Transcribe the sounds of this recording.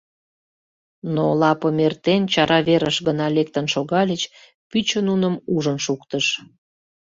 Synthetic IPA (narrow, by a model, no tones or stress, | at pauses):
nolɑpəmert̪ent͡ɕɑɾɑβeɾəʃɣənɑlek̚t̪ənʃoɣɑlʲət͡ɕ | pyt͡ɕənunəmuʒənʃukt̪əʃ